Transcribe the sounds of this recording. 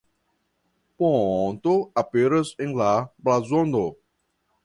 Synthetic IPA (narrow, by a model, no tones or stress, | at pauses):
põnt̪ʊapeɾɐzẽŋlablazõnd̪o